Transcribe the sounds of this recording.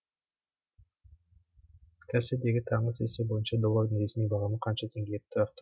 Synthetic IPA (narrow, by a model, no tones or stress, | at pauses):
kʰæsed̪eɡʲit̪ʰɑɴəsesebo̞junt͡ʃɑd̪olˠːord̪ɯŋesʲiniŋbɑʁɑmɯqʰɑnt͡ʃɑt̪ʰeŋɡʲiet̪ːøχt̪